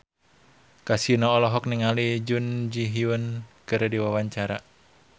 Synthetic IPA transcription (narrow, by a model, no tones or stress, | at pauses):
kasinɔɔlɔɦɔk̚niŋalid͡ʒund͡ʒiɦiunkɨɾdiwawaɲt͡ʃaɾa